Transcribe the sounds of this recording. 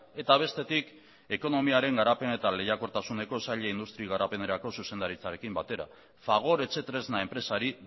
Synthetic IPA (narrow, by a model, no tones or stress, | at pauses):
e̞t̪aβ̞e̞st̪e̞t̪ik | e̞ko̞no̞miaɾe̞ŋɡaɾape̞ne̞t̪ale̞jako̞ɾt̪asune̞ko̞saʎeind̪ust̪ɾiɣ̞aɾape̞ne̞ɾako̞suse̞nd̪aɾit͡saɾe̞kimbat̪e̞ɾa̰ | faɣ̞o̞ɾe̞t͡se̞t̪ɾe̞znae̞mpɾe̞saɾi